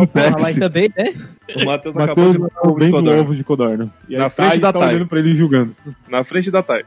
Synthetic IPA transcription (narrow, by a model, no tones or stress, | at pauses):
kõt̪ɛalasjɪt̪ɐ̃bẽj̃nɛmat̪ewzmataewzakaobẽd̪ovʊd͡ʒɪkod̪aɾnɐɪnafɾẽt͡ʃɪd̪at̪aojʎẽnd̪ʊpɾɐelɪʒuɡɐ̃nd̪ʊnɐfɾẽnt͡ʃɪd̪at̪aj